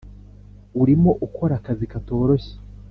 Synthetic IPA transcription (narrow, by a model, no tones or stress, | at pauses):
uɾimo̞ʔukʰo̞ɾakazikato̞ːɾo̞çe̥